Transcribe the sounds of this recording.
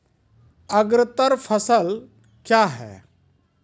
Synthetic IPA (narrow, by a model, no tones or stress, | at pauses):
əɡɾət̪əɾfʰəsəl | kjaɦɛ̰ː